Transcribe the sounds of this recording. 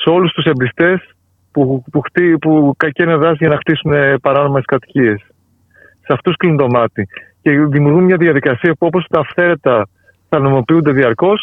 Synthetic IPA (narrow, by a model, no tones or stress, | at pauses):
seo̞lust̪use̞mbɾist̪e̞s | pupuxt̪ipukɐceneðɐsʝɐnɐxt̪isune̞pɐɾɐno̞me̞skɐt̪i̥cie̞sː | eɐft̪usklind̪o̞mɐt̪ice̞ðimuɾɣumɲɐðiɐðikɐsiɐpuo̞po̞st̪ɐːfθe̞ɾe̞t̪ɐ | θɐnomo̞piund̪e̞ðiɐɾko̞s